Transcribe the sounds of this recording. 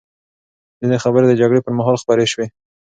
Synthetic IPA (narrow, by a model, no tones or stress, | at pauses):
d̪əd̪exabəɾed̪əd͡ʒaɡɽepəɾmaɦɑlxpaɾeʃwe